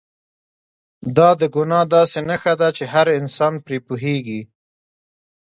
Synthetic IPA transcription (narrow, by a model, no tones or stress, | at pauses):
d̪ɑd̪əɡʊnɑd̪ɑsenaxad̪at͡ʃeɦaɾɪnsɑnpɾepuɦeɡi